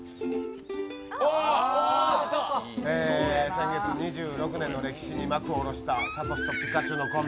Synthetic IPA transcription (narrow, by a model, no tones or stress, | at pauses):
eːsẽ̞ŋɡe̞t͡sɨɲ̟iʑɨːɾo̞kɯ̟nenːo̞ɾe̞kʲi̥ɕiɲ̟imakɯ̟oɾo̞ɕi̥t̪asat̪o̞si̥t̪opʲi̥kat͡ɕono̞komʲ